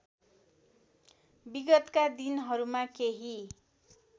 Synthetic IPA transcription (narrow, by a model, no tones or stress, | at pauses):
biɡʌt̪kad̪inɦʌɾumakeɦi